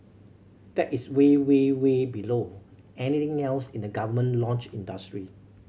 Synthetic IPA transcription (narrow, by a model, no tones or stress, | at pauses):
d̥ɛtiswewewebilo | ɛnit̪ɪ̃ŋɛlsĩndəɡavəmə̃nlɔ̃nt͡ʃĩndəstɹi